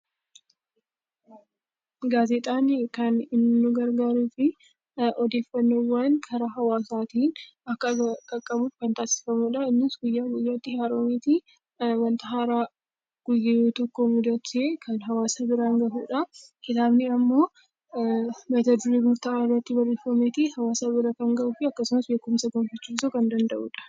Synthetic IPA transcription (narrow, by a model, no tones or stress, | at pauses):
ɡaːzɛt̪ʼaːnkɐnɪnːʊɡɐɾɡaːɾuːfɪ | ɔd̪e̞ːfːɐnːowːankʰɐɾɐɦɐwaːsaːt̪iːn | ɐkːɐkʼɐkʼːɐbuːfkɐnt̪aːsɪ̥fɐmuːᶑɐɪnːɪsɡʊjːaːɡʊjːɐt̪ːɪhaːɾoːmiːt̪i | wɐnt̪ɐɦaːɾaː | ɡ̥ʊjːɪiːt̪ɔkːoːmʊd̪ɐt͡ʃeːkʰɐnɦɐwaːsabɪɾaːŋɡɐʔṵːᶑɐkɪt̪aːbnɪɐmːo̞ː | bɐt̪ɐd̪ʊɾiɡʊɾt̪arɐt̪ːɪbɐrːeːfɐmeːt̪ihɐwaːsaːbɪɾɐkɐŋɡɐʔuːfɪɐkːɐsʊmɐsbe̞ːkʊmsɐɡoːmfɐt͡ʃːuːsʊkɐnd̪ɐnd̪ɐʔuːᶑɐ̥